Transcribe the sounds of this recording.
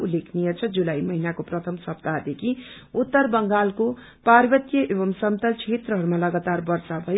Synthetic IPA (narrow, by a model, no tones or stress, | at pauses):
ulːekʰnijʌt͡sʰʌd͡zulajmʌɦinakoprʌt̪ʰʌmsʌp̚t̪ad̪ekʰiut̪ːʌrbʌŋɡalko | parbʌt̪jʌʔebʌmsʌmt̪ʌt͡sʰet̪rʌɦʌɾumalʌɡat̪arbʌrsabʱʌjo